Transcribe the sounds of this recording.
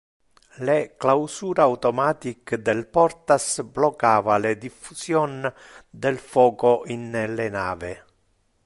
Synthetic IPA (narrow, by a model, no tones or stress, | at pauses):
leklawsuːɾaːwt̪ɔmaːt̪ikd̪ɛlpɔrt̪asblɔkːaːvaled̪ifːusjɔnd̪ɛlfɔːkoʔinlena̰ːvɪ